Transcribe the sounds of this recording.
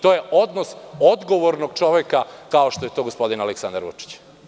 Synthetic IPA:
t̪o̞ːje̞ʔod̪nosod̪ɡo̞ʋo̞ɾnoɡ̚t͡ʃo̞ʋekakaoʃt̪o̞je̞t̪o̞ːɡospo̞d̪inaleksand̪ɾʋṵt͡ʃi̥t͡ɕ

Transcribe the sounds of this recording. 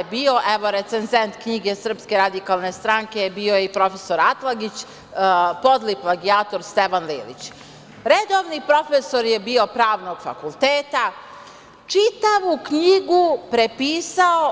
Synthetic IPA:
bio̞ʔeʋo̞ɾe̞t̪senzent̪kɲiɡe̞sr̩pske̞ɾad̪ikalˠne̞st̪ɾaŋke̞bio̞jeipɾo̞fe̞so̞ɾat̪lˠaɡit͡ɕ | po̞d̪liplˠaɡiaːt̪o̞ɾst̪e̞ʋanlḭːlḭt͡ɕ | ɾed̪o̞ʋnipɾo̞feso̞ɾje̞bio̞pɾaːʋno̞ɡ̥fa̰kulˠt̪eːt̪a | t͡ʂit̪aʋukɲiɡupɾe̞piːsao

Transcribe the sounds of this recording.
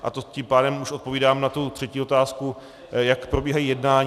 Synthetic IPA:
ʔa̰t̪ocimpaːdɛmuʃʔot̪po̞viːdaːmnat̪ut̪r̝̥ɛciːo̞t̪aːsku | jakpɾo̞biːɦajiːjɛdnaːɲ

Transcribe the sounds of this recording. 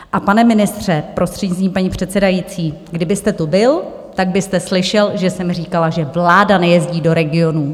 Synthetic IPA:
ʔapanɛmɪnɪst̪r̝̥ɛpɾo̞st̪r̥ɛdɲɪst̪iːmpaɲiːpr̝̥ɛt̪sɛdajit͡siːɡdɪbɪst̪ɛt̪ubɪl | t̪aɡ̚bɪst̪ɛslɪʃɛlʒɛsɛmriːkalaʒɛvlaːdanɛjɛzɟiːdo̞ɾɛɡɪo̞nuː

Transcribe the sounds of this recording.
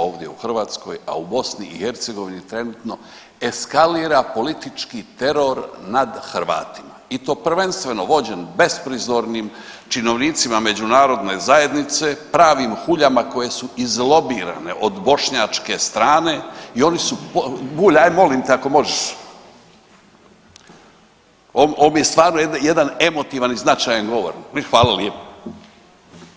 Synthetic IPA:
o̞ːʋd̪ʲje̞uxr̩ʋaːt̪sko̞ja̰ubo̞sniihe̞ɾt̪se̞ɡo̞ʋinit̪ɾe̞nuːt̪no̞ | e̞skaliːɾapo̞lit̪it͡ʃkit̪e̞ɾo̞ɾnad̪xɾʋa̰ːt̪imait̪o̞ːpr̩ʋe̞nst̪ʋe̞no̞ʋo̞d͡ʑenbe̞spɾizo̞ɾnim | t͡ʃino̞ʋniːt̪simame̞d͡ʑunaːɾo̞d̪ne̞zaje̞d̪nit̪se̞pɾaːʋimxuʎamako̞je̞suizlˠo̞biːɾa̰ne̞̰ʔod̪bo̞ʃɲat͡ʃke̞st̪ɾaːne̞io̞nisupobuːʎajmo̞limt̪eako̞mo̞ʒeʃ | ooːmjest̪ʋaːɾnojejed̪ane̞mo̞t̪iʋaniznat͡ʃajanɡo̞ʋo̰ɾxʋaːlaljepḁ

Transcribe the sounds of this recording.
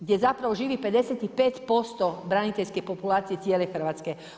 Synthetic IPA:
ɡɟʲɛzapɾaʋɔʒiːʋipɛd̪ɛsjat̪ixpɛcpɔst̪ɔbɾaɲit̪ɛʎʲskɛjpɔpulaːt͡siɛt͡sɪɛlɛxr̩ʋaːskɛ

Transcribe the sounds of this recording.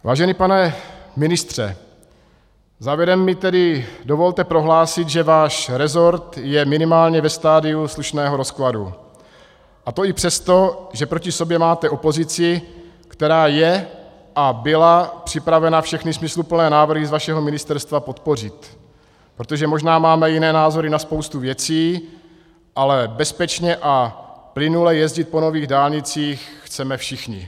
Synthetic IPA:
vaːʒɛnipanɛmɪnɪst̪r̝̥ɛ̰ | zaːvjɛɾɛmːɪt̪ɛdɪdovo̞lt̪ɛpɾo̞ɦlaːsɪt̪ʒɛvaːʃɾɛzo̞ɾt̪jɛmɪnɪmaːlɲɛvɛst̪aːdɪusluʃnɛːɦo̞ɾo̞skladṵ | ʔat̪o̞ɪpr̥ɛst̪o̞ʒɛpɾo̞cɪsobjɛmaːt̪ɛo̞po̞zɪt͡sɪ | kt̪ɛɾaːjɛ | ʔabɪlapr̥ɪpɾavɛnafʃɛxnɪsmɪslupl̩nɛːnaːvr̩ɦɪzvaʃɛɦo̞mɪnɪst̪ɛɾst̪vapo̞t̪po̞r̝ɪt̪ | pɾot̪o̞ʒɛmo̞ʒnaːmaːmɛjɪnɛːnaːzo̞ɾɪnaspowst̪uvjɛt͡siː | ʔalɛbɛspɛt͡ʃɲɛʔaplɪnulɛjɛzɟɪt̪̚po̞no̞viːɣdaːlɲɪt͡siːxxt͡sɛmɛfʃɪxɲɪ

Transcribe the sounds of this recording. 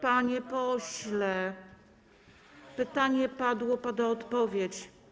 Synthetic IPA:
paɲɛpɔɕlɛ | pɘt̪aɲɛpad̪wɔpad̪aɔt̪pɔvʲjet͡ɕ

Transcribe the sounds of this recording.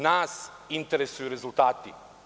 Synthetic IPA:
naːsint̪eɾesujuɾezult̪aːt̪ḭ

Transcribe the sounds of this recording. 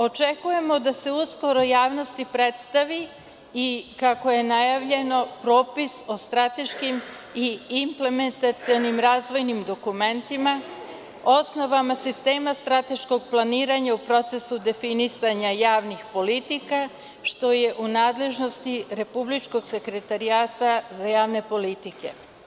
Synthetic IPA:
o̞t͡ʃekuje̞mo̞d̪ase̞usko̞ɾojaːʋno̞st̪ipɾe̞t̪st̪aʋi | ikako̞jenajaʋʎe̞no̞pɾo̞ːpiso̞st̪ɾat̪e̞ʃkim | iːmple̞me̞nt̪at̪sio̞nimɾaːzʋo̞jnimd̪o̞kume̞nt̪ima | o̞sno̞ʋamasist̪e̞ːmast̪ɾat̪e̞ʃko̞ɡ̚plˠaniːɾaɲaupɾo̞t̪se̞sud̪e̞finisaɲajaːʋnixpo̞lit̪ika | ʃt̪o̞je̞ʔunaːd̪le̞ʒno̞st̪iɾe̞publit͡ʃko̞ɡse̞kɾe̞t̪aɾiaːt̪azajaːʋne̞po̞lit̪ike̞̰

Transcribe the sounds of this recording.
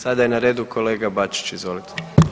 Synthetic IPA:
sad̪ajenaɾeːd̪ukʰo̞le̞ːɡabat͡ʃi̥t͡ʃizʋo̞lit̪ʰe̥

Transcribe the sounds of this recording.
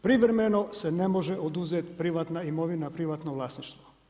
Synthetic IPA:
pɾiʋɾemenosenemoʒɛʔod̪uzet̪pɾiʋat̪naimoʋinapɾiʋat̪noʋlˠaːsniʃt̪ʋo

